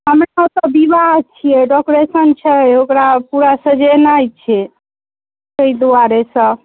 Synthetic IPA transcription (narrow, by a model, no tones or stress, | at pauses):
ɦəmɾaɔt̪ɔbibaɦt͡ʃʰijɛɖɔkɾesənt͡ʃʰɛjokɾapuɾasə̃d͡ʒenajt͡ʃʰɛ | t̪əid̪uaɾesə̃